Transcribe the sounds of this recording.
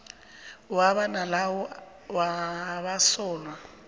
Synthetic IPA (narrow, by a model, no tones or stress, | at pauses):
waβanalawɔ | waβasɔːlwa